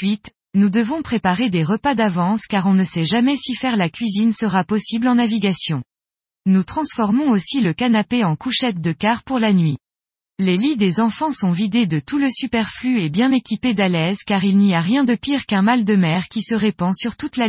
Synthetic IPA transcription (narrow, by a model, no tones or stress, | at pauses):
ɥit̪ | nud̪əvɔ̃pχepaʁed̪eʁəpad̪avɑ̃skaʁɔ̃nəsɛʒamɛsifɛʁlakʲɥizinsəʁapɔsiblɑ̃naviɡasjɔ̃ | nut̪χɑ̃sfɔʁmɔ̃osiləkanapeɑ̃kuʃɛt̪̚d̪əkaʁpuʁlanɥi | lelid̪ezɑ̃fɑ̃sɔ̃vid̪ed̪ət̪uləsypɛʁflyebjɛ̃nekʲiped̪alɛzkaʁilniaʁjɛ̃d̪əpiʁkɛ̃mald̪əmɛʁkʲisəʁepɑ̃syʁt̪ut̪la